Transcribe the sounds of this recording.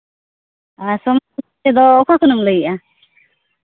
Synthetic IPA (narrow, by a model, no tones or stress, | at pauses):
asɔmu | ɛd̪ɔːkʰakunumləɡiʔa